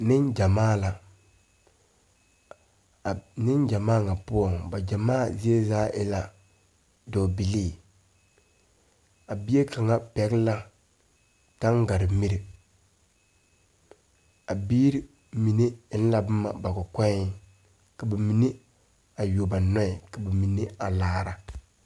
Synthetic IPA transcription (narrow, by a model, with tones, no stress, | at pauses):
nɪ˦nd͡ʒa˨maː˦˨la˨ | nɪ˦nd͡ʒa˨maː˦˨ŋa˨pʊ˦ɔ˨ŋba˨d͡ʒa˨maː˦˨zi˦e˦zaː˦ʔɪ˦la˦ | dɔː˨bi˨liː˦˨ | a˨bi˦e˦ka˨ŋa˦pɛ˨ɡla˦ | ta˦ŋɡa˨ɾɪ˨mi˦ɾi˨ | a˨biː˦ɾi˦ | mi˨ne˦n̩˦la˨bɨ˦ma̰˨ba˨kʊ˨kɛ˦ | ka˨ba˨mi˨ne˦ | a˨jo˨ba˨nɔ˦ɛ˨ka˨ba˨mi˨ne˦a˨laː˦ɾa˦